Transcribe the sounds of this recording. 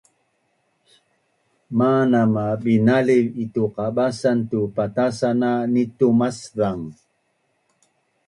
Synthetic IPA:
maːnamabinalivit̪uqaɓasant̪upat̪asananit̪umasðaŋ

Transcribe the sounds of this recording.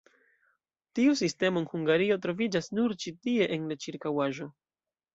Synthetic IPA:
tiusiste̞mo̞nhuŋɡaɾio̞tɾo̞vid͡ʒasnuɾt͡ʃitie̞ʔenlat͡ʃiɾkawaʒo̞

